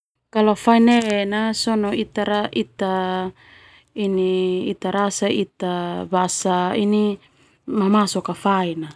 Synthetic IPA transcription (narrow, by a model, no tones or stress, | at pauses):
kalofainenasɔnoit̪aɾaʔit̪a | iniːt̪aɾasait̪abasaini | mamasɔkafaina